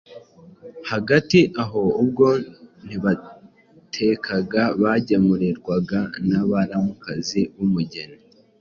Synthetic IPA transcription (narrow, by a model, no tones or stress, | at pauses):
haɡatiʔaɦo̞ub̚ɡo̞n̥iβa | tʰe̞kʰaɡaβaɟemuɾiɾɡwaɡanaβaɾamukaziβumuɟe̞ne